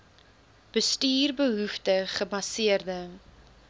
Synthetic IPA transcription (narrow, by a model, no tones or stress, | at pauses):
b̥əstyːrbəɦuftəχəbɐsiərdə